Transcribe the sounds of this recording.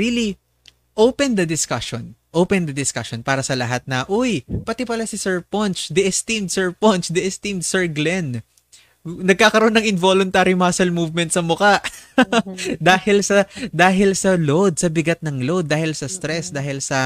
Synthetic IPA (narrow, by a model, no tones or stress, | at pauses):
ɹili | ʔowpɛnd̪ɐd̪ɪskɐʃɔnʔowpɛnd̪ɐd̪ɪskaʃonpaːɾɐsɐlɐɦat̪̚nɐʔojpɐt̪ɪpɐlasɪsɛɹpɔnt͡ʃd̪ɪʔɛst̪imd̪̚sɛɹpont͡ʃd̪ɪɛst̪imd̪sɛɹɡlɛn | nɐɡ̚kaːkɐɾoʔonɐŋɪnvolʊnt̪aːɾimasɐlmuvmɛnt̪̚sɐmʊkaʔ | d̪aːhɪlsɐd̪aːɦɪlsɐlod̪̚sɐbɪɡat̪̚nɐŋlod̪ːaːhɪlsɐst̪ɾɛsd̪aːhɪlsɐ